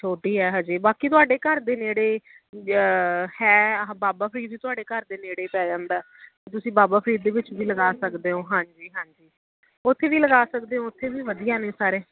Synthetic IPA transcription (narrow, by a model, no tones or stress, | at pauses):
t̪ʰoːʈiːɛːɦãːd͡ʒiːbaːkiːt̪ʊaːɖeːkəɾd̪eːneːɽeː | hɛːbaːbaːpʰɾiːd̪ʋiːt̪ʊaːɖeːkəɾd̪eːneːɽeːpɛːd͡ʒãːnd̪aːɛːt̪eːt̪̬ʊsĩːbaːbaːpʰɾiːd̪ːeːʋɪt͡ʃʋiːləɡaːsəkd̪eːõːɦãːɲd͡ʒiːɦãːɲd͡ʒiː | ʊt̪ʰːeːʋiːləɡaːsəkd̪eːɦõːʊt̪ʰːeːʋiːʋəd̪ijaːnẽːsaːɾeː